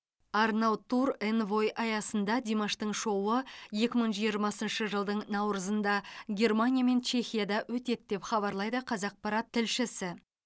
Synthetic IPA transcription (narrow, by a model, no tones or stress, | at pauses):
ɑɾnɑwt̪ʰuɾenvo̞jʔɑjɑsənd̪ɑd̪ʲemaʃt̪əɴʃo̞wəje̞kʲɪməɴʒijəɾmɑsənʃəʒəlˠd̪əɴnɑwɾəzənd̪ɑɡʲe̞rmanʲijame̞nt͡ʃʰe̞xʲijad̪ɑwɵt̪e̞t̪d̪e̞pχɑβɑɾlˠɑjd̪əqʰɑzɑq̚pɑɾɑt̪ʰːɪlʃɪsɪ